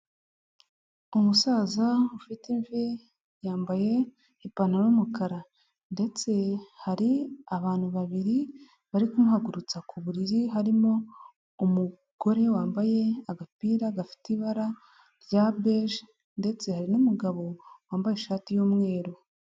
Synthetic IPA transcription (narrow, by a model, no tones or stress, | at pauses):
umusaːzaufiteɱve | jaːmbaje̞ | ipanaɾumukaɾa | nde̞t͡se̞haɾiaβaːn̥huβaβiɾi | βaɾikumuhaɡuɾut͡sakuβuɾiɾiɦaɾimo̞ | umu | ɡ̥o̞ɾe̞waːmbaje̞aɡapiːɾaɡafi̥tiβaɾa | ɾɟabeʒ | nde̞t͡se̞haɾinumuɡaβo̞waːmbajeʃaːtijuːmŋe̞ːɾo